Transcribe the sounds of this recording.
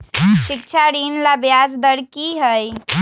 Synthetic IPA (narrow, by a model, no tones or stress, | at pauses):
ʃik̚t͡ʃʰaɾinlabjasd̪əɾkiɦəj